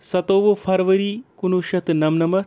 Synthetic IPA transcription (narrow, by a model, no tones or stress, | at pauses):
sɐt̪oːʋopʰɐɾʋɐɾiːkunuʃɐt̪nɐmnɐmɐ